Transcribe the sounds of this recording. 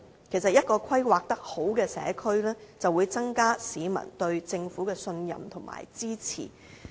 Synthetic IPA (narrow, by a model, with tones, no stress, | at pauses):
kʰe˨˩js̬ɐ˨t̚jɐ˥t̚kɔː˧kʷʰɐ˥jwaː˨k̚t̪ɐ˥k̚ho˨˥wkɛː˧sɛ̰ː˨˥kʰɵ˥ɥlɛː˥t͡sɐ˨wuː˨˧jt͡sɐ˥ŋkaː˥siː˨˧mɐ̰˨˩nt̪ɵ˧ɥt͡sɪ˧ŋfuː˨˥kɛː˧sɵ˧njɐ̰˨mt̪ʰʊ˨˩ŋmʔa̰ː˨˩jt͡siː˥t͡sʰḭː˨˩